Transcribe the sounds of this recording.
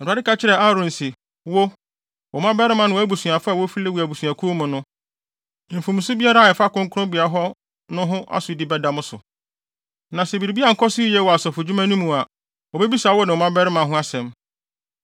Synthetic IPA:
n̩˨ɾa˨dɪ˦ka˨t͡ɕʰɪ˦ɾɛ˨a˦ɾʊ̃˨n̩˨si˨ | wo˦ | wɔ˨mã˦bɛ˦ɾɪ˦mã˦nɪ̃˨˦æ˦bu˨su˨a˨fa˦˨wo˦fi˦le˦wu˨æ˨bu˨su˨a˨kʰu˦mʊ̃˨nʊ̃˦˨ | m̩˨fũ˨m˨sʊ˦bi˦a˦ɾa˦˨ɛ˨fa˦kʊ̃˦ŋ˦kʰʊ˦ɾʊ̃˦bi˨a˨ɦɔ˦ | nʊ̃˦ɦʊ̃˦ʔa̰˦sʊ˨dɪ˦bɛ˦dã˦mʊ̃˦sʊ̰˨ | nã˨sɛ˨bi˨ɾi˨bi˦a˦˨ŋ̩˨kʰɔ˦si˦i˦jɛ˦˨wɔ˨a˨sɔ˨fʊ˨d͡ʑᶣu˦mã˦nũ˦mũ˨a˨ | wɔ˨be˦bi˦sa˨˦wɔ˦nɪ̃˨ɔ˨mã˦bɛ˦ɾɪ˦mã˨ɦʊ̃˦a˦sɛ̃˨m

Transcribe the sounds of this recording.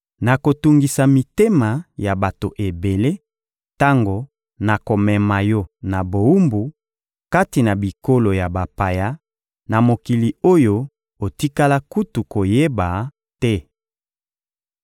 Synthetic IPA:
na˨ko˨tu˨ŋɡi˨sa˨mi˨te˦ma˨ja˨ba˨to˨ʔe˨be˨le˦ | ta˦ŋɡo˨ | na˨ko˨mɛ˨ma˨jɔ˦na˨bo˨u˦mbu˨ | ka˦ti˨na˨bi˨ko˦lo˨ja˨ba˨pa˨ja˦ | na˨mo˨ki˨li˨o˦jo˦ | o˨ti˦ka˦la˦ku˦tu˨ko˨je˦ba˨ | tɛ˦

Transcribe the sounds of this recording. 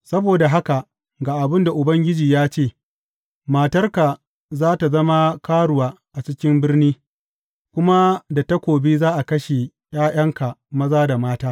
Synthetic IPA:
sɐ˦boː˨da˨ɦa˦ka˨ | ɡaː˨ʔa˨bɪ˦nda˨ʔʊ˨bɐ˦ŋɡʲɪ˦d͡ʒiː˨jaː˦t͡ʃeː˦˨ | maː˨tɐ˦rka˨ | zaː˦ta˨zɐ˦ma˦kaː˦ɽʊ˨waː˦ʔa˨t͡ʃɪ˦kʲɪ˦mbɪ˦rniː˦ | kʷʊ˦ma˦da˨tɐ˦kʷoː˨bi˦zaː˦ʔa˨kɐ˦ʃe˨ | j̰aː˦j̰ɐ˦ŋka˨mɐ˦zaː˦da˨maː˦taː˦

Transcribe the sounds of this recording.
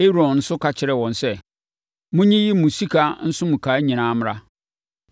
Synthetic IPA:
e˦ɾɔ̃˨nn̩˦sʊ˦kʰa˨t͡ɕʰɪ˨ɾɛ˨wɔ̃˨n˨sɛ˦ | mʊ̃˦ɲĩ˦ji˦mũ˨si˦kʰa˨n̩˦sʊ̃˦mũ˨kʰa˨˦ɲĩ˨nãː˦m˦ɾa˦

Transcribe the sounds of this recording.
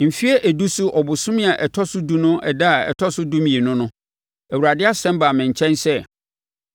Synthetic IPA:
m̩˨fi˦ɛ˦ʔæ˨du˦sʊ˦ʔɔ˨bʊ˨sʊ̃˦mɪ̃˦a˨ʔɛ˨tʰɔ˦sʊ˦du˦nʊ̃˦ʔɛ˨da˦a˨ɛ̰˨tʰɔ˦sʊ˦du˦mĩ˨e˨nʊ̃˦nʊ̃˦ | æ˨wu˨ɾa˨dɪ˦a˦sɛ̃˦m˦baː˨mɪ̃˨ɲ˨t͡ɕʰɛ̃˦nsɛ˦˨

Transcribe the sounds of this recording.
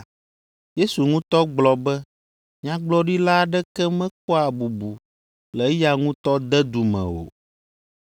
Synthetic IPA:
je˦su˨ŋũ˦t̪ɔ˦ɡ͡blɔ˨bɛ˦ | ɲ˦ã˦ɡ͡blɔ˦ɖi˦la˦˨ɖɛ˦kɛ˦mɛ̃˦k̚ɔ˦a˨bu˨bu˨ | lɛ˨˦ja˦ŋũ˦t̪ɔ˦d̪ɛ˦d̪u˨mɛ̰̃˨o̰˨

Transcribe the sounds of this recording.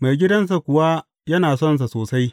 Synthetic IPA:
ma˨jɡʲɪ˦dɐ˦ns̬a˨kʷʊ˨wa˦ | jɐ˦naː˨sɔ˦˨ns̬a˨soː˨sa˦j

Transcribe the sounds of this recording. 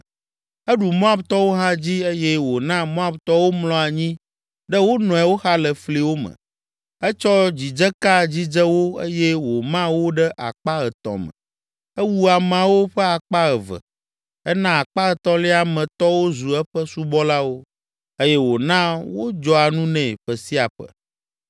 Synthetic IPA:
ɛ˦ɖu˨mɔ̃˦a˦bt̪ɔ˦wo˦ɦa˦d͡ʑi˦e˦jɛ˦wo˨nã˦mɔ̃˦a˦bt̪ɔ˦wo˦mlɔ̃˦a˨ɲĩ˦ | ɖə˦wo˦nɔ̃˨ɛ˨wo˦xa˦lə˨fli˦wo˦mə̰̃˨ | ɛ˦t͡ʃɔ˦d͡ʑi˨d͡ʒə˦ka˦d͡ʑi˦d͡ʒə˦wo˦ḛ˦jɛ˦wo˨mã˦wo˦ɖə˦ʔa̰˨k͡pa˦ə˨t̪ɔ̰̃˨mə̰˨ | ɛ˦wu˦a˨m˨ã˨wo˦ɸɛ˦a˨k͡pa˦ə˨və̰˨ | ɛ˦nã˦a˨k͡pa˦ə˨t̪ɔ̃˦lɛ˦a˨mɛ̃˨t̪ɔ˦wo˦zu˨ɛ˦ɸə˦su˦bɔ˦la˦wo˦ | e˦jɛ˦wo˨nã˦wo˦d͡ʒɔ˦a˨nũ˦nɛ̃˨ɸə˨si˦a˨ɸə̰˨

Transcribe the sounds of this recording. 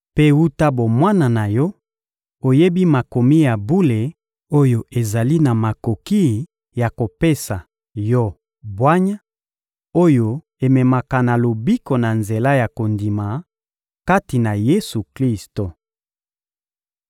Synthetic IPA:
pe˦wu˦ta˦bo˨mwa˦na˨na˨jɔ˦ | o˨je˦bi˦ma˨ko˨mi˦ja˨bu˦le˨ | o˦jo˦ʔe˨za˨li˦na˨ma˨ko˨ki˦˨ | ja˨ko˨pe˦sa˨ | jɔ˦ | bwa˦ɲa˦ | o˦jo˦ | e˨mɛ˨ma˨ka˨na˨lo˨bi˦ko˨na˨nze˨la˦ja˨ko˨ndi˨ma˨ | ka˦ti˨na˨je˦su˨kli˦sto˨

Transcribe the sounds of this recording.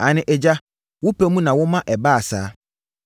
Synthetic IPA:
a˨nɪ̃˦ʔɛ˨d͡ʑa˦ | wʊ˦pʰe˦mũ˦nã˨wʊ˦mã˦ʔɛ˨ba˦a˨sa̰ː˨˦

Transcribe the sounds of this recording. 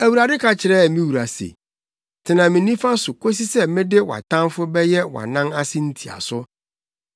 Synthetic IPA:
æ˨wu˨ɾa˨dɪ˦kʰa˨t͡ɕʰɪ˨ɾɛ˦˨mĩ˦wu˨ɾa˨sḛ˨ | tʰɪ˨nã˨mɪ̃˨nĩ˦fa˦sʊ˨kʰo˦si˦sɛ˦mɪ̃˦dɪ˦wa̰˨tʰã˦mfʊ˦bɛ˦jɛ˦wa̰˨nã˦na˦sɪ̃˦n̩˦tʰi˨a̰˨sʊ˦

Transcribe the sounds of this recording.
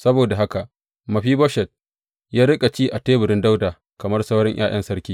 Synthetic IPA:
sɐ˦boː˨da˨ɦa˦ka˨ʔ | mɐ˨ɸiː˦bɔ˦ʃɛ˨t̚ | jaː˦ɽɪ˦kʼa˨t͡ʃiː˦ʔa˨teː˦bɪ˨ɽɪ˦nda˦wdaː˨ | kɐ˨mɐ˦rsɐ˦wɽɪ˦ɲj̰ʔa̰ː˦j̰ɐ̰˦nsɐ˦ɾkʲiː˦

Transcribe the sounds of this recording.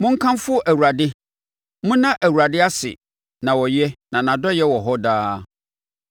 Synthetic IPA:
mʊ̃˦ŋ̩˦kʰã˦m˦fʊ˦ʔæ˨wu˨ɾa˨dɪ˦ | mʊ̃˦nã˦ʔæ˨wu˨ɾa˨dɪ˦a˦sɪ̰˨ | nã˨wɔ˨jɛ˦nã˨nã˨dɔ˦jɛ˦wɔ˨ɦɔ˦daː˦

